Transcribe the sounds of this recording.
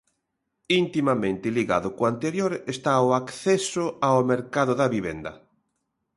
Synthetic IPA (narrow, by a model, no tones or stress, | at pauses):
int̪imamẽnt̪ɪliɣa̰ðʊkoant̪eɾjoɾest̪aoakθɛsʊaomeɾkaðʊðaβiβɛ̰nd̪ɐ̰